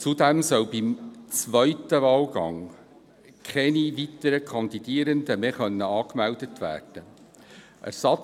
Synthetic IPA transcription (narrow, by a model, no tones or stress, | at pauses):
t͡sudæmsœwbimt͡sʋœʏtəʋɑːlɡɑ̰ŋ | kχɛniʋit̪əɾəkʰɑnd̪id̥iːəɾənd̪əmeχœnːəɑːkmæld̪ətʋæ̰ːrd̥ə | ʔæ̰ɾsɑ